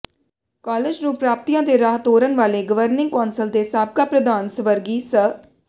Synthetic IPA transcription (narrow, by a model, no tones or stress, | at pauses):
kɔːleːd͡ʒnũːpɾaːp̚t̪ijãːd̪eːɾaːɦt̪ɦoːɾənʋaːleːɡəʋəɾnɪ̃ŋɡkɔːnsəld̪eːsaːb̚kaːpɾəd̪aːnsəʋəɾɡiːsə